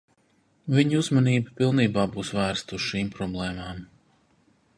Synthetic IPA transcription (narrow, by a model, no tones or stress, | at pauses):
viɲuzmɐniːbapilˠniːbaːbuːsvæːɾst̪uʃiːmpɾɔblˠɛːmaːm